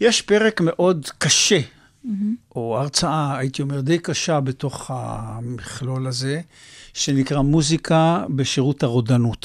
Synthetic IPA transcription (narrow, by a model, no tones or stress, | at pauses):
jeʃpe̞ʁekme̞ʔo̞d̪kaʃe̞ | ʔo̞aʁt͡saaːit̪io̞me̞ʁd̪ejkaʃabeto̞χha̰miχlolaze̞ | ʃe̞nikʁamuzikʰabeʃiʁuthaʁodanut̪